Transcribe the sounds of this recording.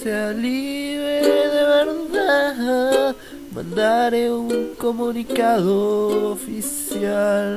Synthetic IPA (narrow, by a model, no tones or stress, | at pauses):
sealiβɾeeðeβeɾða | mɐ̰̃nd̪aɾeuŋkomunikaðoofisjal